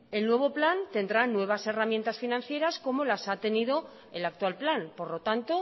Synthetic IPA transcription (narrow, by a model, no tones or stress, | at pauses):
e̞lnwe̞β̞o̞plant̪e̞nd̪ɾanwe̞β̞ase̞ramje̞nt̪asfinãn̟θje̞ɾasko̞mo̞lasat̪e̞nið̞o̞ | elak̚t̪walplanpo̞ɾlo̞t̪ant̪o̞